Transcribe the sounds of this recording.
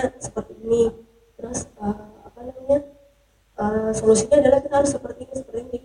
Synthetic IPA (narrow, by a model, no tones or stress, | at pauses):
səpərt̪iini | t̪ɾʊsəapanamaɲa | ʔəmsəmusiɲaːdalahkit̪aɾsəpərt̪iːnisəpərt̪ini